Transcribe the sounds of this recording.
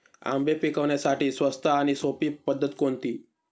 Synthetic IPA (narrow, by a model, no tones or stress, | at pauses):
a̰mbʱepikəʋɳjasaʈiːsʋəst̪ʰaːñisopiːpəd̪ʱːət̪kont̪iː